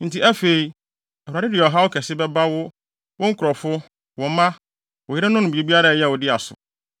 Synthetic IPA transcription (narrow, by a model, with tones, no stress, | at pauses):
n̩˨ti˨ʔæ˦fe˨i˨ | ɛ˨ha˨dɪ˦dɪ˨ɔ˨ɦa˦wʊ˦kʰɛ˨sɪ˦bɛ˦ba˦wʊ˦ | wʊ̃˦ŋ̩˦kʰʊ˨ɾɔ˨fʊ˦ | wɔ̃˨˦mã˦ | ʊ˨jɪ˦ɾɪ̃˦nʊ̃˦nʊ̃˨bi˨e˨bi˦a˦ɾa˦˨jɛ˦˨wɔ˨dɪ˦a˨sʊ̰˨